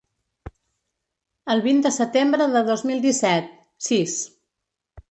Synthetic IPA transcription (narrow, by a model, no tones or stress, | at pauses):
əlˠβind̪əsət̪embɾəðəðozmilˠd̪isɛt̪̚ | sis